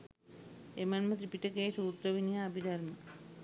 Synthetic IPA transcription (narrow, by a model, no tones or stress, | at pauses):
emanmət̪ɾipiʈəkeːsuːt̪ɾəʋinijaːbʱid̪aɾmə